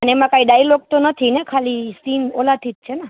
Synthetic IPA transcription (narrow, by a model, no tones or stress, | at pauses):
ənemãkaiɖailok̚t̪onət̪ʰinekʰalisinolat̪ʰit̪̚t͡ʃʰena